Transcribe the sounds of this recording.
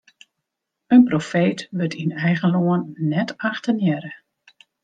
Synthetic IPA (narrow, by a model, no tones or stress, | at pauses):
ənprofeːtʋətinɛjɣənloənːɛtaxtənjɛɾə